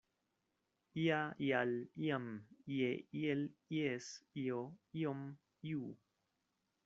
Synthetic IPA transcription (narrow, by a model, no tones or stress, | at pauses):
iaialjamjejeljesioiom | ju